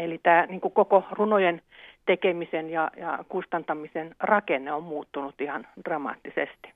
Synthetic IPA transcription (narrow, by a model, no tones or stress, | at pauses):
elit̪æːniːŋkukokorunojent̪ekemisenjɑjɑ̰kust̪ɑnt̪ɑmisenrɑkenːeommuːt̪ːunut̪ihɑnd̥rɑmɑ̰ːt̪ːisḛst̪i̥